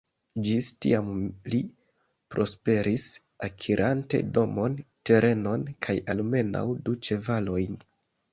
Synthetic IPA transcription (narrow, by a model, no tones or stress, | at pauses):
d͡ʒistḭamli | pɾo̞spe̞ɾis | akʰiɾʔante̞̰do̞mo̞nte̞ɾʔe̞no̞nkʰajalme̞na̰wdut͡ʃe̞valo̞jn